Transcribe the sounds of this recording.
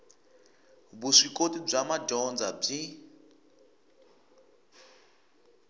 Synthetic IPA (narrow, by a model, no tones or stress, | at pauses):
buʂikotib͡ʐamad͡ʒɔnd͡zab͡ʐi